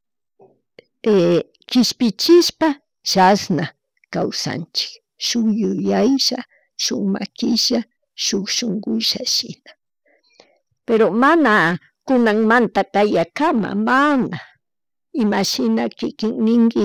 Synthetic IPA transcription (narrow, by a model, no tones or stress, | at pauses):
e | kɪʃpɪt͡ʃɪʃpa | ʃasna | kawsa̰nt͡ʃɪ̥k | ʃʊjʊjajʃa | ʃʊŋma̰kɪʃa | ʃokʃoŋɡʊʃa̰ʃɪ̰nḁ | peɾomana | kʊnaŋmant̪akajakama̰mana | ɪmaʃɪnakɪkɪŋnɪŋkɪ